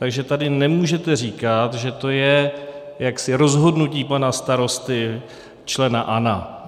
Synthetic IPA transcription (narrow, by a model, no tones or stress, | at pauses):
t̪aɡʒɛt̪adɪnɛmuːʒɛt̪ɛr̝iːkat̪ʒɛt̪o̞jɛ | jaksɪɾo̞zɦo̞dnuciːpanast̪aɾo̞st̪ɪ | t͡ʃlɛnaʔana